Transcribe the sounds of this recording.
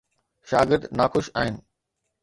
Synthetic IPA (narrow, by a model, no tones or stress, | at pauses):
ʃaːɡɪɾd̪naːxʊʃa̰ːɦɪnɪ̆